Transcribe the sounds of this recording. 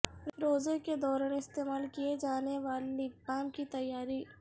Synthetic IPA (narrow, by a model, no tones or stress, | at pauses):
ɾoːzeked̪ɔːɾaːneɪst̪eːmaːlkied͡ʒaːneʋaːlibaːmkit̪ɐjːaːɾi